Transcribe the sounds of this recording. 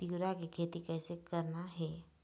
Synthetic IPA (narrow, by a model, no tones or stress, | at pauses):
t̪iɾakikʰeːt̪ikɛːsekəɾnaɦɛː